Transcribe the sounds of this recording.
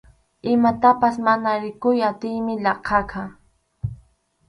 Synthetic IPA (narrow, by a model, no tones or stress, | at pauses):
ɪmat̪apasmanaɾɪkʊjat̪ɪjmɪʎɑqʰɑkʰa